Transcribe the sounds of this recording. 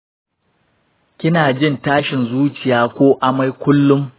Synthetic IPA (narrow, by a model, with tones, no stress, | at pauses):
kʲɪ˦naː˨d͡ʒɪ˦˨ntaː˦ʃɪ˨nzuː˦t͡ʃɪ˨jaː˦kʷoː˦ʔa˦ma˦jkʷʊ˦lːʊ˦m